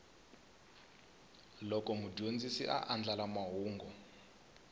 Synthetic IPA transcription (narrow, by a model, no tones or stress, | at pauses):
lɔkɔmuɟond͡zisiʔa̰ʔand͡ɮalamaɦuːŋɡɔ